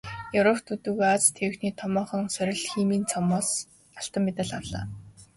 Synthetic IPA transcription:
jɵwɾɔwt̪ʰut̪ɘ̆ɣat͡st̪ʰːewɘ̆xniːt̪ʰɔmɔːχɞ̆ŋsœɾʲɪ̆ɮxiːmiːnt͡sʰɔmɔːs | aɬt̪ə̆mːet̪ə̆ɮawɮa̰ː

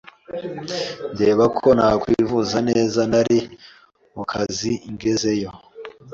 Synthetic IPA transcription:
nde̞ːβakʰo̞nakwivuzane̞ːzanaɾi | mukʰaziiŋɡe̞ze̞jo̞

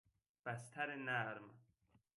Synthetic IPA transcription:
b̥æst̪ʰæɾenæɾm

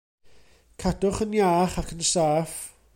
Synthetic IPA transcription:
kʰadʊχənjaːχakʰənsaːf

